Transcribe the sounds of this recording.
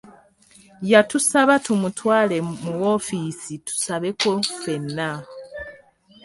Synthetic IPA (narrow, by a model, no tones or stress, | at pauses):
jatusaβatumutwaːle̞muwo̞fiːsitu̥saβe̞ko̞fe̞nːa